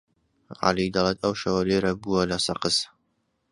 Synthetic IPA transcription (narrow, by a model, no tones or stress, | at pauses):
ʕa̰lid̪ɐlˠeːt̪ɐwʃɐwɐleːɾɐbuwɐlɐsɐqɨs